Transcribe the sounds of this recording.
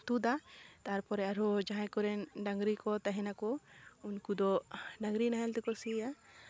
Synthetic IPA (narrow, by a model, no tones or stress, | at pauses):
t̪ud̪at̪aaɾpɔɾɛaɾɔd͡ʒaɦãjkɔɾɛnɖaŋɡɾikɔt̪aɦɛnakɔunkud̪ɔɖaŋɡɾinaɦɛlt̪ɛkɔsia